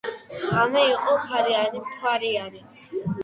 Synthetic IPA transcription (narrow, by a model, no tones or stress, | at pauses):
amɛiqʼɔkʰaɾiaɾimkʰwaɾiaɾi